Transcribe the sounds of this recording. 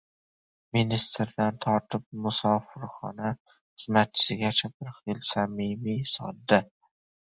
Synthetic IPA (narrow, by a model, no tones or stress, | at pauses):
minist̪ɾd̪ant̪ʰɒɾt̪ʰɪp̚mʊsɒfɨɾχɒ̰na | χɨzmat̪̚t͡ʃʰɪ̥sɪɡʲat͡ʃʰabɪɾχɪlsamimisɒ̰d̪ːɪ